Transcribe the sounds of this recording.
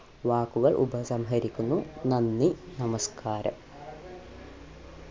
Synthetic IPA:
ʋaːkuʋɐlɭʔṵbɐsɐmɦɐɾikʲːunːunɐnːinɐmɐskʰaːɾɐ̰

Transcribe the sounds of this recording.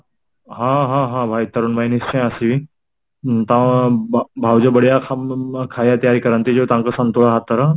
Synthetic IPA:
ɦãɦãɦãbʱait̪əɾunbajnist͡ɕẽj̃asiʋi | t̪ã | bʱawd͡ʑəbəɽjakʰakʰajat̪jaɾikəɾãnt̪id͡ʑot̪ãŋkəsənt̪oɭaɦat̪ːəɾa

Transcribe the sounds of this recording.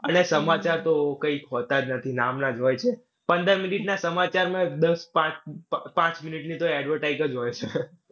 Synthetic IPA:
ənesəmat͡ʃaɾt̪okəikɦot̪ad͡ʒnət̪ʰinamnad͡ʒɦojt͡ʃʰe | pə̃nd̪əɾminiʈnasəmat͡ʃaɾmãd̪əspãt͡ʃpãt͡ʃminiʈnit̪oɛɖʋəɾʈajkəd͡ʒɦojt͡ʃʰe

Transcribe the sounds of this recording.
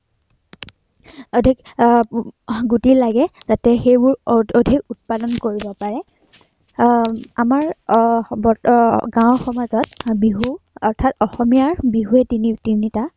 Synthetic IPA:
odʱik | ɡutilaɡɛz̥atɛxejbʊɹodʱikut̚padɔnkoɹibɔpaɹɛ | amaɹ | bɔɡãw̃xɔmazɔt̚biɦuɔɹtʰatɔxɔmijaɹbiɦuɛtinitinita

